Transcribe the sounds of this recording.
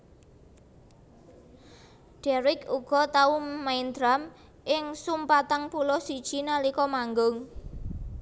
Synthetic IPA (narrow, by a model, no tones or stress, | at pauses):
ɖ̥ɛɾɪkuɡ̥ɔ̤t̪aumajnd̪ɾam | ʔɪŋsumpat̪aŋpulɔsid̥ʒ̥i̤nalikɔmaŋɡʊŋ